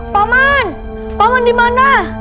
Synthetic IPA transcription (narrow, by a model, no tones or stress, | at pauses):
paman | pamandimana